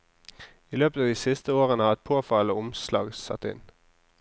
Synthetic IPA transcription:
iːløːpət̪ɑːd̪iːsɪst̪əoːʁənəɑːɛt̪̚pʰoːfɑloːʊmslɑ̰ːɡsɑ̰t̪ːɪ̰n

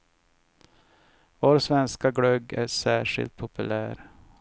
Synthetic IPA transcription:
voːɾsvɛnskaɡɽœɡæʂæːʂɪ̰lt̪̚pʰʊpɵlæːɾ

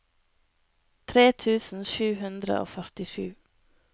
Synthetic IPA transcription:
t̪ʰɾeːt̪ʰʉːsn̩ʃʉːhʉnd̪ɾə̰ʔo̰ːfœɾt̪ɪʃʉː

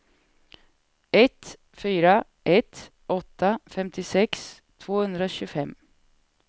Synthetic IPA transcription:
ɛt̪ | fyːɾa | ʔɛt̪ | ʔɔt̪ːafɛmt̪ʰɪsɛks | t̪ʰvoːhʉnd̪ɾəoɕʉːfɛm

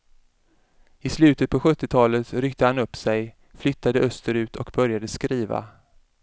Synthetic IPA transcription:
ɪslʉ̟ːt̪ət̪̚pʰɔɧɵt̪ːɪt̪ʰɑːlət̪ɾʏkt̪əhanɵpːsɛj | flʏt̪ːad̪əʔœst̪əɾʉ̟ːt̪ʰɔkbœɾjad̪əskɾiːva̰

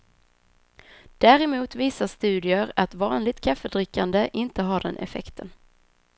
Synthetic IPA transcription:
d̪̥æːɾɛmuːt̪viːsaʂt̪ʉ̟ːd̪ɪəɾat̪vɑːnlɪt̪kʰafədɾɪkːand̪əʔɪnt̪əɦaɖɛ̰nʔɛ̰fɛ̰kt̪ʰən

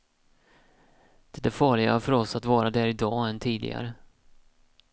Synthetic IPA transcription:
d̪̥ɛd̪ɛfɑːɭɪɡa̰fœɾɔsat̪vɑːɾad̪æɾɪd̪ɑːɛnt̪ʰiːd̪ɪ̰ɡa̰ɾə

